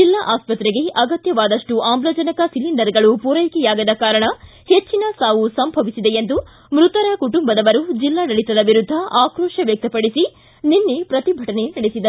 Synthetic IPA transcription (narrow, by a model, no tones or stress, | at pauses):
d͡ʒilːaʔaːspɐt̪ɾeɡe̞ʔɐɡɐt̪jɐʋaːd̪ɐʂʈuʔaːmbɾɐːd͡ʒɐnɐkɐsiliɳɖɐɾɡɐɭupuɾɐjkɛjaːɡɐd̪ɐkaːɾɐɳɐhet͡ʃːinɐsaːʋusɐmbʱɐʋisid̪eend̪u | mɾut̪ɐɾɐkuʈumbɐd̪ɐʋɐɾud͡ʒilːaːnɐɭit̪ɐd̪ɐʋiɾud̪ʱːɐʔaːkɾɔːʂɐʋjɐk̚t̪ɐpɐɽisi | ninːepɾɐt̪ibʱɐʈɐne̞nɐɽesid̪ɐ